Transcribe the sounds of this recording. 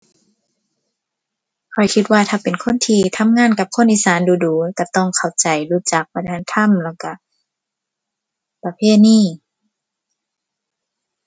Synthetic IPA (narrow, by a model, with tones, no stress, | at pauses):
kʰɔ˨˩jkʰi˧t̪̚waː˧t̪ʰaː˧˩pe˨˩nkʰo˧˥˨nt̪ʰiː˧t̪ʰa˧˥˨mŋaː˧˥˨nka˧p̚kʰo˧˥˨nʔiː˧˨saː˨˦nduː˨˦duː˨˦t̪ɛː˧t̪ɔ˧˩˨ŋkʰa˨˩wt͡ɕa˨˦jɾuː˧˩t͡ɕa˨˩k̚pa˧t̪ʰaː˧na˧t̪ʰa˧˥˨mlɛ˧˩ka˧˩˨ | pa˧pʰeː˧˩niː˧˥˨